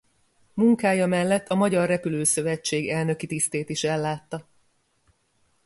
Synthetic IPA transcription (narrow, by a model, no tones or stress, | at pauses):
muŋkaːjɒmɛlːɛt̪ʰːɒmɒɟɒrːɛpyløːsø̞vɛt͡ʃːeːɡɛlnø̞kit̪ist̪eːt̪iʃɛlːaːt̪ːɒ